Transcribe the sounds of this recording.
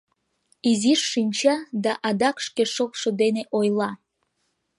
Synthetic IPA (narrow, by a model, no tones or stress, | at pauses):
iziʃːinʲt͡ɕɑd̪ɑʔɑd̪ɑkʃkeʃokʃod̪eneʔojlˠɑ